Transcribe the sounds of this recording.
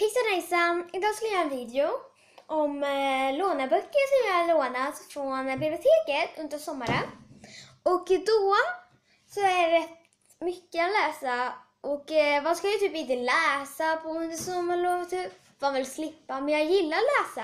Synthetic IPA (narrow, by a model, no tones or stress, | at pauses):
pʰɪksanɛjsaɪd̪ɑːɡskɵlajɑːɛnviːd̪ɛʊ | ʔɔmloːnaɾbœkːəɾʂɔmjɑhaɭoːnat̪fɾɔnblɪbɪʊt̪ʰeːkət̪ɵnd̪əʂɔmːaɾən | ʔɔkd̪ɔ | sɔæɖɛɾɛt̪ | mʏkːəat̪lɛːsa | ʔɔkvaskaljat̪ʰyːpɪnt̪əlɛːsapʰɔɵnd̪əʂɔmːaɭɔːt̪ʰyːp | vɑvɪlslɪpːamɛnjɑːɡjɪlːaɾlæːsa